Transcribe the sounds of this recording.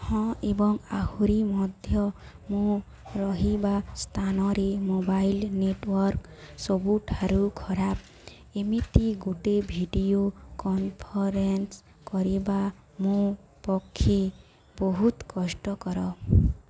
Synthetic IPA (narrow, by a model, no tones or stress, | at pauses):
hɔ̃ebɔŋahuɾimɔd̪ʱjɔ | mũ | ɾɔɦibast̪ʰanɔɾemobajlneʈwɔɾk | sɔbuʈʰaɾukʰɔɾap̚ | emit̪iɡuʈebʱiɖijokɔmpʰɔɾens | kɔɾiba | mũ | pɔkʰːje | bɔɦut̪kɔsʈɔkɔɾɔ